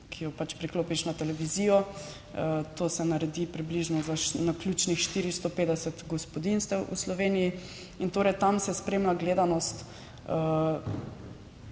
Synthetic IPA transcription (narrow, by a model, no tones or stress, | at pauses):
kʰijɔpat͡ʃpɾikloːpiʃnat̪ɛlɛʋizijɔ | ət̪oːsɛnaɾɛd̪ipɾibliʒnɔzaʃnaklʲuːt͡ʃnixʃt̪iːɾist̪opeːd̪ɛsɛt̪ɡɔspɔd̪inst̪ɛwʔṵslɔʋeːniji | int̪oːɾɛjt̪amsɛspɾemlaɡleːd̪anɔst̪ | ə